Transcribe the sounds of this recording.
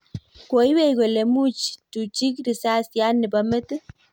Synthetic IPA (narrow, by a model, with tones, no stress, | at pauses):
ko˨i˦we˦˨kɛ˨le˨mu˦t͡ʃtu˨t͡ʃi˦kɾi˨sa˦sja˦nːɪ˨ba˦mɛ˦t̪